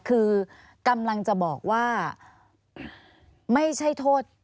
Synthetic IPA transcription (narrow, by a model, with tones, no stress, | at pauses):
kʰɯː˧ | ka˧mla˧ŋt͡ɕa˨˩bɔː˨˩k̚waː˥˩ | ma˥˩jt͡ɕʰa˥˩jt̪ʰoː˥˩t̪̚